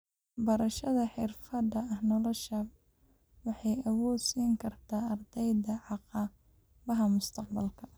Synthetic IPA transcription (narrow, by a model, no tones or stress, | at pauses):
bɐɾɐʃɐðɐħɪrfɐd̪ɐɐhnɔlɔʃɐ | wɑħɑjɐwɔːd̪siːŋkʰɐrt̪ʰaːɐrd̪ɛjd̪ɐʕɑqɑː | βɐɦɐmʊst̪ʰɐqbɐlkʰɐ